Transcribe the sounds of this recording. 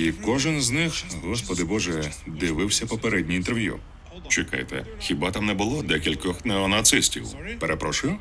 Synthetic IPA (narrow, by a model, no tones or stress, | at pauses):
ikɔʒɪnznɪxɦɔspɔd̪ɪbɔʒɛd̪ɪʋɪwsʲɐpɔpeɾɛdʲnʲiint̪erʋjṵ | t͡ʃɪkɑ̰jt̪ɛ̰xʲibɑt̪ɑmnɛbʊlˠɔd̪ɛkʲilʲkɔxnɛɔnɐt̪sɪsʲtʲḭwpeɾʔepɾɔʃʊjʊ